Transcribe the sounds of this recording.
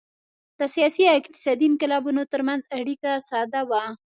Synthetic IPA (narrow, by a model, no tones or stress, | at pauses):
d̪̥əsijɑsiawɪk̚t̪ɪ̥sɑd̪inkɪlɑbunot̪əɾmanzaɽikasɑd̪awa